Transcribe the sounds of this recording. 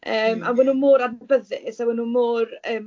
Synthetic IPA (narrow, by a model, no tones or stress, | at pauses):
əːmawɛnuːmʊːɾadbəðɪ̰sawɛnumʊːrəːm